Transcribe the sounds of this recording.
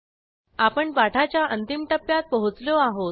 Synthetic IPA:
apəɳpaʈʰat͡ɕjaʔənt̪imʈəpːjat̪̚pəɦut͡sloaɦo

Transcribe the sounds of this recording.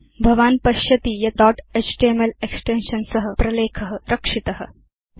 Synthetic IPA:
bʱɐʋaːnpɐʃjɐt̪ijɐt̪ɔːʈesʈeːmeleksʈenʃɐnsɐɦɐpɾɐleːkʰɐɦɐɾɐkʂit̪ɐɦɐ̆

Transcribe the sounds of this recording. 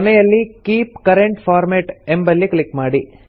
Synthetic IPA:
ɐnɐjɐlːikiːpkɐɾeɳʈfaːɾmeʈembɐlːiklikːmaːɽi

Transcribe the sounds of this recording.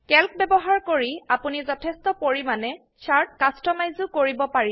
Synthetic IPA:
kɛlk̚bɛbɔɦaɹkoɹiapunizɔtʰɛstɔpoɹimanɛ | saɹt̚kastɔmajzʊkoɹibɔpaɹi

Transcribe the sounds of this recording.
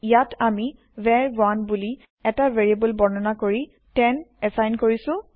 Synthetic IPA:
ijatʰami | vɛɹbɔanbuli | ɛtaveɹiabəlbɔnɔnakoɹi | tɛnɛsajnkoɹisʊ̃

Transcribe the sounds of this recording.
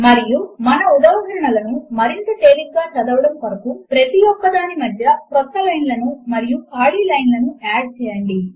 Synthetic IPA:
mɐɾijumɐnɐud̪aːɦɐɾɐɳɐlɐnumɐɾint̪ɐʈ̪eːlik̚ɡaːt͡ʃɐd̪ɐʋɐɽɐmpɐɾɐkupɾɐt̪ijɔkːɐd̪aːnimɐd̪ʱjɐkɾɔt̪ːɐlɐjnlɐnumɐɾijukaːɭiːlɐjnlɐnuaːɖ̚t͡ʃɛːjɐɳɖi

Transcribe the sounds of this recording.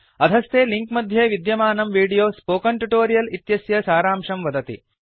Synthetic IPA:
ɐd̪ʱɐst̪eːliŋkmɐd̪ʱjeːʋid̪jɐmaːnɐmʋiːɽijoːspoːkɐɳʈuʈoːɾijɐlit̪jɐsjɐsaːɾaːmʂɐmʋɐd̪ɐt̪ḭ

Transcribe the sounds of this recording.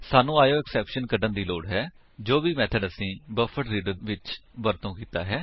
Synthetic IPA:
saːnũːaːjoːɛksɛːpʃənkəɖənd̪iːloːɽɦɛː | d͡ʒoːbiːmɛːt̪ʰəɖəsĩːbəfʰəʈɾiːɖəɾʋɪt͡ʃbəɾt̪õːkiːt̪a̰ːɦɛː

